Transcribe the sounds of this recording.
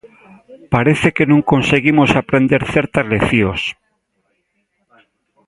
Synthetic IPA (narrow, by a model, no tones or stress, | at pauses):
paɾeθekenõŋkonseɣimosapɾend̪eɾθeɾt̪ɐzleθjos